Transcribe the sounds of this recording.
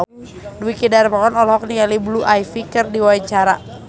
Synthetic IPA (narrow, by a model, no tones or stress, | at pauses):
duwikidaɾpakɔnɔlɔɦɔk̚niŋalibluʔajfikɨrdiwaiɲt͡ʃaɾa